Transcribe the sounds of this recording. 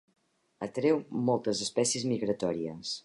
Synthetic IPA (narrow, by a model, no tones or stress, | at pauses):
ət̪ɾewmɔlˠt̪əzəspɛsiəzmiɣɾət̪ɔɾiəs